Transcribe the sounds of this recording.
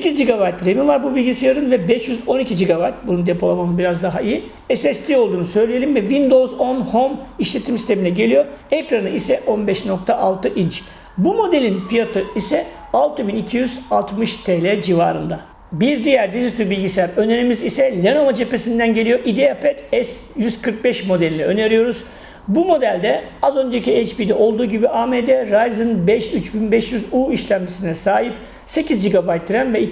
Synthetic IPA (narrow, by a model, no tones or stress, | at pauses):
secʰizd͡ʒiɡaβajt̪ɾemivaɾbubilʲɟisijaɾɯnvɛbɛʃjyzo̞nicʰid͡ʒiɡabajt̪̚bunund̪epʰo̞lˠamamɯnbiɾazd̪aɦaiji | ɛsɛst̪ʰio̞lˠd̪uːnusø̞jlʲeje̞lʲimvɛvind̪o̞zo̞nhomiʃlʲe̞t̪ʰimsi̥st̪ʰe̞minʲɛɟe̞lʲijo̞ɛkɾanɯʔisɛʔo̞nbɛʃno̞k̚t̪ʰaʔalˠt̪ʰɯʔint͡ʃ | bumo̞d̪e̞lʲinfijat̪ʰɯisɛ | alˠt̪ʰɯbinicʰijyzalˠt̪mɯʃt̪ʰelʲɛd͡ʒiva̰ːɾɯnd̪a | biɾd̪ijæɾd̪iʒit̪ʰybilʲɟisæɾø̞neɾimizisɛlʲeno̞vad͡ʒe̞pe̞sind̪ænɟe̞lʲijo̞ʔid̪iapʰɛt̪ɛs | jyz̥kʰɯɾk̚bɛʃmo̞d̪elʲinɛø̞̰neɾijo̞ɾuz | bumo̞d̪ælʲd̪ɛazø̞nd͡ʒeciejt͡ʃbid̪ɛʔo̞lˠd̪uːɟibiʔaːmed̪ɛɾajzɯnbɛʃyt͡ʃbinbɛʃjyzuːiʃlʲæmd͡ʒisinɛsaːɦip̚ | se̞cʰizd͡ʒiɡabajt̪̚ːiɾænvɛi